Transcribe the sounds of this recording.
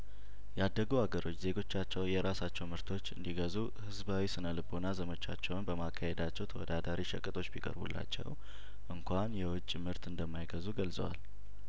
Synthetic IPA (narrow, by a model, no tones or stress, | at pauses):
jad̪ːəɡuaɡəɾo̞t͡ʃːze̞ɡo̞t͡ʃːat͡ʃːɛwjɛɾasat͡ʃːɛwmɨɾt̪ʰo̞t͡ʃːɨ̰nd̪iɡəzu | hɨzbawisɨnəlɨbo̞nazəmət͡ʃːa̰t͡ʃːɛwnbəmakʰːahed̪at͡ʃːɛwt̪ʰəwɔ̰d̪ad̪aɾiʃə̰kʼɨt̪ʼʰo̞t͡ʃːbikʼə̰ɾbṵlːa̰t͡ʃːɛ̰w | ʔɨŋkʷʰanjɛwʊt͡ʃʼːmɨɾt̪ɨnd̪əmːajɡəzuɡəlsʼə̰wa̰l